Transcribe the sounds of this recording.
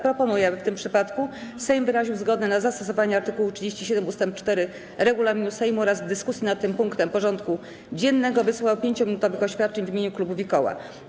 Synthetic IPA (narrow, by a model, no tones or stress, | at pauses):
pɾɔpɔnujɛft̪ɘmpʂɘpat̪kusɛjmvɘɾaʑiwzɡɔd̪nɛnazast̪ɔsɔvaɲɛaɾt̪ɘkuwutʂɘd͡ʑeɕt͡ɕiɕɛd̪ɛmust̪ɛmp̚t͡ʂt̪ɛɾɘ | ɾɛɡulamʲinusɛjmuɔɾazd̪ɘskusʲinat̪ːɘmpuŋkt̪ɛmpɔʐɔnt̪ku | d͡ʑɛnːɛɡɔvɘswawpʲjeɲt͡ɕɔmʲinut̪ɔvɘxɔɕfʲjat̪̚t͡ʂɛɲvʲimʲeɲuklubuvʲikɔwa̰